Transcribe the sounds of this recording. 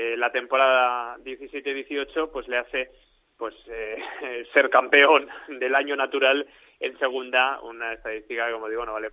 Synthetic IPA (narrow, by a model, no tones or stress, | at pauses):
lat̪e̞mpo̞ɾaðaðje̞θisje̞t̪eðjeθio̞t͡ʃo̞pwezle̞aθe̞ | pwe̞sese̞ɾkampe̞o̞nd̪e̞laɲonat̪uɾal | e̞̰nse̞ɣ̞und̪aṵnae̞st̪aðist̪ikakomo̞ð̞iɣonoβale